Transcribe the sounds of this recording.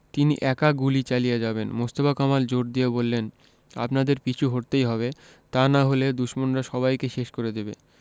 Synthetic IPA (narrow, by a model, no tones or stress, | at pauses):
t̪inḭʔɛkaɡulit͡ɕalijed͡ʑabenmost̪obakamald͡ʑoɾd̪ijebolːen | a̰pnad̪eɾpit͡ɕʰuɦoɾt̪ejɦɔβe | t̪anaɦoled̪uʃmonɾaʃɔβajkeʃeʃkoɾed̪ebḛ